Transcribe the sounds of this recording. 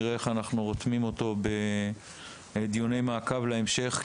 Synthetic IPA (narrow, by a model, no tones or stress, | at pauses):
ʁeeχanaχnuʁot̪mimo̞t̪o̞be̞ | ed̪jone̞jmaːkavleemʃe̞χ